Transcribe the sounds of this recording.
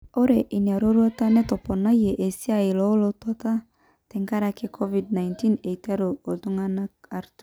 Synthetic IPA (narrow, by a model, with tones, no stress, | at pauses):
o˦ɾe˨ʔi˨n˨a˨ɾo˦ɾwɔ˦ta˦nɛ˦tɔ˨pɔ˨na˦je˨ʔe˨si˦a˦˨ɪ˨lɔ˦lo˦tɔ˦ta˦ | tɛ˨ŋɡa˦ɾa˨ke˦kʰɔ˦vi˨d̚na˨inti˦ne˨ta˦ɾo˨o˨tu˦ŋa˦na˦a˨ɾt